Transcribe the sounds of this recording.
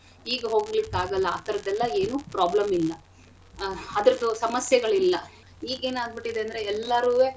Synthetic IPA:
iːɡɐɦo̞ːɡlikːaːɡɐlːɐa̰ːt̪ɐɾɐd̪ɛlːɐe̞ːnuːpɾaːblɐmilːɐ | ɐd̪ɐɾɐd̪usɐmɐsjɐɡɐɭilːɐ | iːɡeːnaːd̪̚biʈːid̪eɐnd̪ɾeɛlːɐɾuʋeː

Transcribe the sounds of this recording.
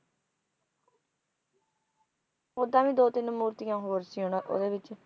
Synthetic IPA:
ʊd̪ãːʋĩːd̪oːt̪ɪnmuːɾt̪ijãːɦoːɾsiːɦõːnːʔo̰ːd̪eːʋɪt͡ʃ

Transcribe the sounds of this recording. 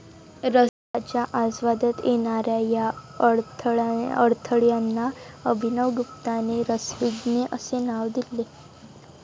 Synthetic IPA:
ɾə | at͡ɕjaʔad͡zʋad̪ət̪jʔeɽ̃aɾjaja | əɾt̪ʰəɭjanːaəbʱinəʋɡup̚t̪aneɾəsʋiɡneʔəsenaʋd̪ile

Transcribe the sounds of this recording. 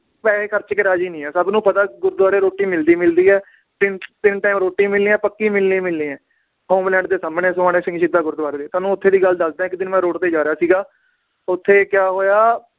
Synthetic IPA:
pɛːeːkʰəɾt͡ʃkɪɾaːd͡ʒiːnĩːɛːsəbnũːpət̪aːɡʊɾd̪ʋaːɾeːɾoːʈiːmɪld̪iːmɪld̪iːɛː | t̪ɪnt̪ɪnʈaːɪmɾoːʈːiːmɪlnĩːɛ̃ːpəkːiːmɪlnĩːmɪlːĩːɛ̃ː | hoːmlɛ̃ːɳɖd̪eːsaːmnẽːsʊaːneːsɪ̃ŋɡʃɪd̪ːaːɡʊɾd̪ʋaːɾeːd̪eːt̪aːnũːʊt̪ʰːeːd̪iːɡəld̪əsd̪ãːɪkd̪ɪnmɛ̃ːɾoːʈt̪eːd͡ʒaːɾeaːsiːɡaː | ʊt̪ʰːeːkjaːɦoːjaː

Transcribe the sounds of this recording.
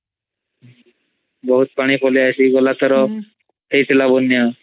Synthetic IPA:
bəɦut̪̚paɽ̃ipʰoliajsiɡolat̪ɔɾɔ | t̪ejt̪ʰilabonːja

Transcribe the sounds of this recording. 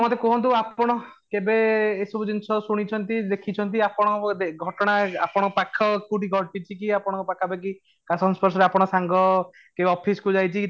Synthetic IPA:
mɔt̪ekɔɦɔnt̪̬uapɔɽ̃ɔ | kebeesɔbʱud͡ʒinsʰɔsuɽ̃it͡ʃʰɔnt̪id̪ekʰit͡ʃʰɔnt̪̬iapɔɽ̃ɔd̪eɡʱɔʈɔɽ̃aa̰pɔɽ̃ɔkpakʰɔkuʈiɡʱɔʈit͡ʃʰikiapɔɽ̃ɔkupakʰabek̬i | kasɔnspɔɾsɔɾeapɔɽ̃ɔsaŋɡɔ | kebɔpʰisɔ̥kud͡ʒajt͡ʃʰiki

